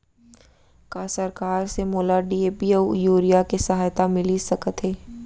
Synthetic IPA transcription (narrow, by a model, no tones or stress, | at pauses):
kasɐɾkaːɾsemoːlaɖiːeːpiəjuːɾijakesɐɦaːjt̪amɪlisɐkət̪ɦeː